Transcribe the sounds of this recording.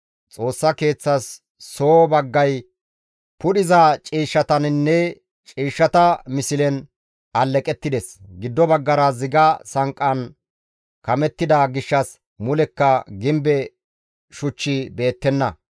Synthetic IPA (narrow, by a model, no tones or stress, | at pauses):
t͡sʼo̞ːsːɐke̞ːt͡sːɐsː | oːbɐɡːɐj | pʊɗɪzat͡ʃʼiːʃːɐt̪ɐnnːɛ | t͡ʃʼiːʃːɐt̪ɐmɪsɪlɛn | ɐlːɛkʼɛt̪ːɪd̪ɛsɡɪd̪ːɔbɐɡːɐɾɐzɪɡɐsɐŋkʼːɐn | kɐmɛt̪ːɪd̪ɐɡɪʃːɐs | mʊlɛkːɐɡɪmbɛ | ʃʊt͡ʃːɪbe̞ːt̪ːɛnːɐ